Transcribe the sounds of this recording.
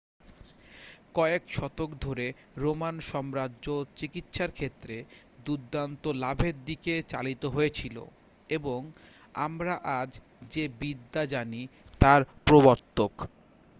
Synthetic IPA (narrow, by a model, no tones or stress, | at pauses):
kɔekʃɔt̪okd̪ʱoɾe | ɾomanʃɔmɾadʑot͡ɕikit̪ʃaɾkʰet̪ːɾe | d̪ud̪ːant̪olabʱeɾd̪iket͡ɕa̰lit̪oɦoet͡ɕʰilo̰ | eboŋ | a̰mɾaʔad͡ʑ | d͡ʑebid̪ːad͡ʑanit̪aɾpɾoβoɾt̪ok